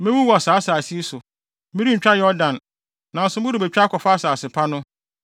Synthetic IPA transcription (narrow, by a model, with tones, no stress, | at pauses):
mɪ̃˦wu˦wɔ˨a˨saː˨˦sa˨si˦e˦sʊ˨˦ | mi˦ɾi˦ɲ̩˨t͡ɕᶣa˦jɛ˨ɔ˦dã˨n | nã˨n̩˨sʊ˨˦bʊ̃˦dʊ˨bɛ˨t͡ɕᶣa˦kʰɔ˨fa˦saː˨sɪ˨pʰa˦nʊ̃˦